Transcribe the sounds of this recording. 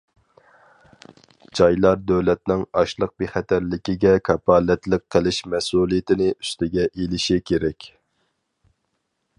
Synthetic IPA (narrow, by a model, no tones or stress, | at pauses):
d͡ʒɑjlˠɑɾd̪øwlɛt̪̚nɪŋɑʃlˠəq̚beχɛt̪ʰæɾlɪkʲiɡʲɛkʰɑpʰɑːlɛt̪lɪk̚qʰːəlˠɪʃmɛsuːlˠijɪt̪ʰɪnɪy̥st̪ɪɡʲɛʔelɪʃikʲʰeɾɛkʲ